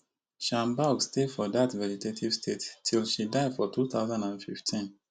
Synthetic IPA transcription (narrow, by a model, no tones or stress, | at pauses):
ʃãmbaɡstedfɔðatvɛd͡ʒitetʰiv̥stʰettʰilʃidaɪdfɔtʰuθaʊzãndãnfiftʰĩn